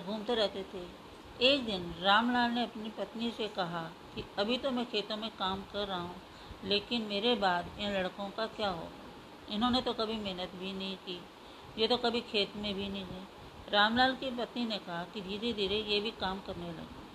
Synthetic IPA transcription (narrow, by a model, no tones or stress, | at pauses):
ɡʱuːmt̪eɾɛɦt̪et̪ʰe | eːk̚d̪ɪnɾaːmlaːlneɐpnipɐt̪nisekɐɦa | kiɐbʱit̪omɛ̃kʰeːt̪õmẽkaːmkɐɾːaɦaɦũ | leːkɪnmeːɾebaːd̪ɪnlɐɽkõkakjaːɦo̰ːɡa̰ː | ɪnɦõnet̪okɐbʱimɛɦnət̪bʱinɐɦĩkiː | jet̪okɐbʱikʰeːt̪mẽbʱinɐɦĩɦɛː | ɾaːmlaːlkipɐt̪ninekɐɦakid̪ʱiːɾed̪iːɾejebʱikaːmkɐɾnelɐ̰ɡe